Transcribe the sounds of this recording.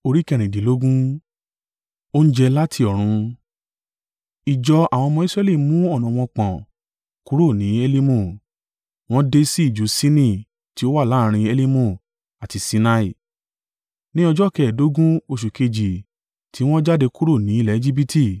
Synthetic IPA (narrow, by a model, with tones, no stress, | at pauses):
o˧ɾi˦kɛ˦˨ɾ̃ĩ˨di˨lo˦ɡũ˦ | o˦n̩˦d͡ʒɛ˧la˦tʰi˧˨ɔ˨ɾ̃ũ˧ | i˨d͡ʒɔ˧a˨w̃ɔ̃˧mɔ̃˧˦i˦sɾɛ˦li˦mũ˦ɔ˦˨nɔ̃˨w̃ɔ̃˧k͡pã˨ | ku˦ɾo˦˨nĩ˨˦e˧li˦mõ˦˨ | w̃ɔ̃˦de˧si˦i˦˨d͡ʒu˨˦sĩ˦nĩ˦˨ | ti˨˦o˦wa˦˨la˨˦˧ɾ̃ĩ˧e˧li˦mũ˦˨ | a˨ti˧si˧˦na˧i˦˨ | nĩ˦ɔ˧d͡ʒɔ˦kɛ˨do˨˦ɡũ˦o˧ʃ̬u˨ke˧d͡ʒi˨ | tʰi˨˦w̃ɔ̃˦d͡ʒa˦de˧ku˦ɾo˦˨nĩ˨˦i˦˨lɛ˨˦e˧d͡ʒi˦bi˦tʰi˦˨